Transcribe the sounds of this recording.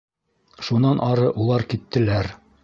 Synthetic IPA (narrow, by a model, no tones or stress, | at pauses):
ʃunɑnʔɑɾɤʔulˠɑɾkit̪ːɘ̆læɾ